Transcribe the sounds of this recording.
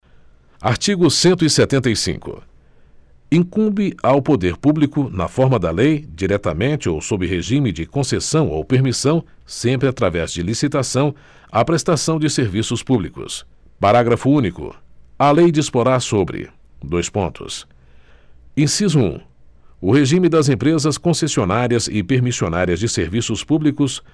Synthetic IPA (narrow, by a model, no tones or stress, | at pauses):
aɾt͡ʃiɡʊsẽnt̪ʊiset̪ẽnt̪ɐjsḭ̃ŋkʊ̰ | ĩŋkũbɪawpod̪eɾpublikʊnɐ̰fɔɾmɐd̪ɐlejd͡ʒiɾɛt̪ɐmẽnt͡ʃɪowsobɾɪɦeʒĩmɪd͡ʒɪkõsesɐ̃w̃owpeɾmisɐ̃w̃ | sẽmpɾɪat̪ɾavɛzd͡ʒɪlisit̪asɐ̃w̃ | ɐpɾest̪asɐ̃w̃d͡ʒɪseɾvisʊspublikʊ̰s | paɾaɡɾɐfʊũnikʊ̰ɐlejd͡ʒispoɾaɾsobɾɪ̰ | d̪ojspõ̰nt̪ʰʊ̰s | ẽsizʊṵ̃ | ʊheʒĩmɪd̪ɐzẽpɾezɐskõsesionaɾiɐzɪpeɾmisionaɾiɐzd͡ʒɪseɾvisʊspublikʊs